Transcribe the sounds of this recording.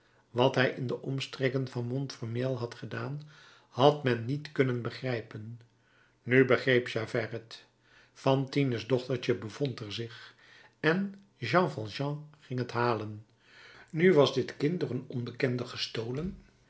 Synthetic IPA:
ʋɑtɦɛjʔɪndəʔɔmstrɛkənvɑnmɔntfɔɹmeːlˠɦɑtχədaːn | hɑtmɛnːitkɵnənbəχrɛjpənː | ybəχrejpʃaːvɛrət | fɑntinəzdɔχtəɹt͡ʃəbəv̥ɔntɛɹzɪχ | ɛn | ʒɑ̃fɑlˠʒɑ̃χɪŋɦətɦaːlən | nyʋɑzdɪtkɪnt̚doːrənɔnbəkɛndəχəstowlən

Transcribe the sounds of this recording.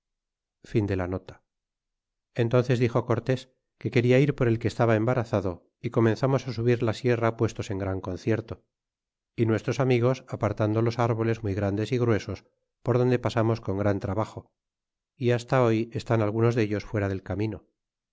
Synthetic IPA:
find̪e̞lano̞t̪ḁ | e̞nt̪o̞nθe̞zðixo̞ko̞ɾt̪e̞s | ke̞ke̞ɾiaiɾpo̞ɾe̞lkeːst̪aβaembaɾaθaðo̞ | iko̞mẽ̞nθamo̞sasuβiɾlasje̞rapwe̞st̪o̞se̞ŋɡɾaŋko̞nθje̞ɾt̪o̞ | inwe̞st̪ɾo̞samiɣ̞o̞sapaɾt̪and̪o̞lo̞saɾβ̞o̞le̞zmujɣɾand̪e̞siɣɾwe̞so̞s | poɾðo̞nd̪e̞pasamo̞sko̞ŋɡɾant̪ɾaβaχo̞ | iast̪ao̞je̞st̪analɣ̞uno̞zðe̞ʎo̞sfwe̞ɾaðe̞lkamino

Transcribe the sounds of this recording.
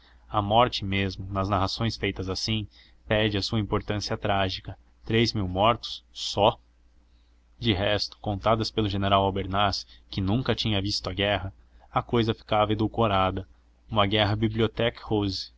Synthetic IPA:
ɐmɔɾt͡ʃɪmezmʊnɐznaɦasõj̃sfejt̪ɐzasĩ | pɛd͡ʒɪɐsuɐĩpoɾt̪ɐ̃siɐt̪ɾaʒikɐ | t̪ɾejzmiwmɔɾt̪ʊ̥sːɔ | d͡ʒɪɦɛst̪ʊ̥kõnt̪ad̪ɐspelʊʒeneɾawawbeɾnaskɪnũŋkɐt͡ʃĩɲɐvist̪ʊɐɡɛɦɐ | ɐkojzɐfi̥kavɐed̪uwkoɾad̪ɐ | ũmɐɡɛɦɐbibliot̪ɛkhoz

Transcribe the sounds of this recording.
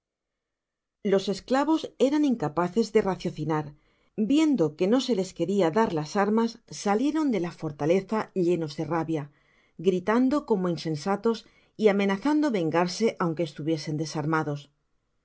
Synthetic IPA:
lo̞se̞sklaβo̞se̞ɾaniŋkapaθe̞zðe̞raθjo̞θinaɾ | bje̞nd̪o̞ke̞no̞se̞le̞ske̞ɾiaðaɾlasaɾmasːalje̞ɾo̞nd̪e̞lafo̞ɾt̪ale̞θaʎe̞no̞zðe̞raβja | ɡɾit̪and̪o̞ko̞mo̞inse̞nsat̪o̞s | iame̞naθand̪o̞βe̞ŋɡaɾse̞ʔawŋke̞ːst̪uβje̞se̞nd̪e̞saɾmaðo̞s

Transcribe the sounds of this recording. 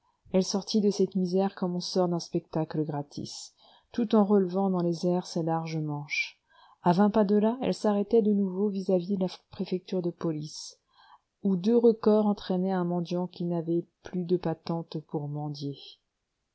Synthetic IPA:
ɛlsɔʁt̪id̪əsɛt̪mizɛʁkɔmɔ̃sɔʁd̪ɛ̃spɛk̚t̪akləɡʁat̪ʰḭs | t̪ut̪ɑ̃ʁəlvɑ̃d̪ɑ̃lezɛʁsɛlaʁʒəmɑ̃ʃ | avɛ̃pad̪əlaɛ̰lsaʁɛt̪ɛd̪ənuvovizavid̪əlapχefɛk̚t̪yʁd̪əpɔlis | ud̪øʁəkɔʁɑ̃t̪χɛnɛɛ̃mɑ̃d̪jɑ̃kʲinavɛplyd̪əpat̪ɑ̃t̪puʁmɑ̃d̪je

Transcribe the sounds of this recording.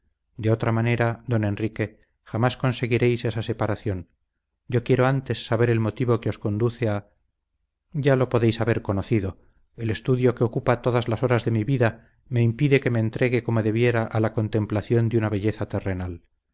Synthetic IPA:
d̪e̞o̞t̪ɾamane̞ɾaðo̞ne̞nrike̞ | xamasko̞nse̞ɣiɾe̞jse̞sase̞paɾaθjo̞n | ɟ͡ʝo̞kje̞ɾo̞ant̪e̞sːaβe̞ɾe̞lmo̞t̪iβo̞keo̞sko̞nd̪uθea | ɟ͡ʝalo̞po̞ðe̞jsaβe̞ɾko̞no̞θiðo̞ | e̞le̞st̪uðjo̞keo̞kupat̪o̞ðazlaso̞ɾazðe̞miβiða | me̞impiðe̞ke̞me̞ːnt̪ɾe̞ɣe̞ko̞moðe̞βje̞ɾaʔalako̞nt̪e̞mplaθjo̞nd̪unaβe̞ʎe̞θat̪e̞renal

